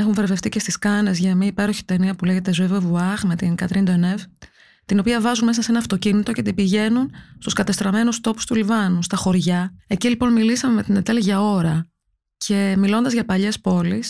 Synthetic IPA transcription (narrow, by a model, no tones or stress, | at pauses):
exuɱve̞ɾve̞ft̪icest̪iskɐne̞zʝɐmiɐipe̞ɾo̞çi̥t̪eniɐpule̞ʝe̞t̪e̞zuevevuɐxme̞t̪inkɐt̪ɾind̪oenev | t̪ino̞piɐvɐzunme̞sɐse̞nɐːft̪o̞cinit̪o̞ce̞t̪ibiʝe̞nunst̪uskɐt̪ɐst̪ɾɐme̞nust̪o̞pu̥st̪ulivɐnust̪ɐxo̞ɾʝɐe̞cilipo̞nmilisɐme̞met̪ine̞t̪e̞lʝɐo̞ɾɐ | cʰe̞milo̞nd̪ɐzʝɐpɐʎe̞spo̞lis